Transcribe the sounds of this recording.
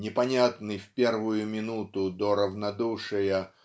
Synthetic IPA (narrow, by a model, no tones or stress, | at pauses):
nʲɪpɐnʲat̪nɨjfʲpʲervʊjʊmʲɪnut̪ʊd̪oɾəvnɐd̪uʂɨjə